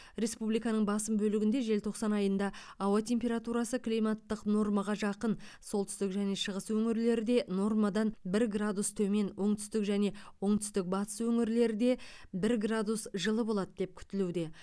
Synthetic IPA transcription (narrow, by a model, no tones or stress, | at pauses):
ɾe̞spublijkɑnəɴbɑsəmbɵlɪɡʲɪnd̪e̞ʒe̞lt̪ʰo̞χsɑnɑjənd̪ɑːwɑt̪ʰʲe̞mpʲe̞ɾat̪uɾɑsəklʲijmat̪ːəqno̞rmɑʁɑʒɑqənso̞lˠt̪ʰʏ̥st̪ɪkʒæne̞ʃəʁəswɵŋɪɾle̞ɾɪd̪e̞no̞rmad̪ɑnbɪɾɡrad̪ust̪ʰɵme̞nwʔo̞ɴt̪ʰʏ̥st̪ɪkʒæne̞wo̞ɴt̪ʰʏ̥st̪ɪk̚bɑt̪ə̥swɵŋɪɾle̞ɾɪd̪e̞bɪɾɡrad̪usʒəlˠəbo̞lˠɑd̪əd̪e̞p̚kʲʰʏ̥t̪ɪlud̪e̞